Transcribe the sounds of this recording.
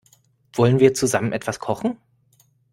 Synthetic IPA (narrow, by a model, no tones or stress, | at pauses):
v̥ɔlənviːɐt͡suzamənʔɛtv̥askʰɔχn̩